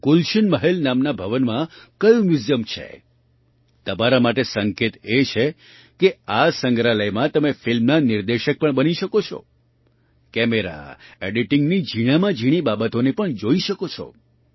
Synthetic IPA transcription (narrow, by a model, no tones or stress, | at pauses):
kulʃənməɦelnamnabʱəʋənmãkəjũmjuzjəmt͡ʃʰḛ | t̪əmaɾamaʈesəŋket̪et͡ʃʰe | keasə̃ŋɡɾaləjmãt̪əmefɪlmnanɪɾd̪eʃək̚pəɳbəniʃəkot͡ʃʰɔ̰ | kɛmeɾa̰eɖiʈɪ̃ŋɡnid͡ʒiɽ̃amãd͡ʒʱiɽ̃ibabət̪onepəɳd͡ʒoiʃəkot͡ʃʰɔ̰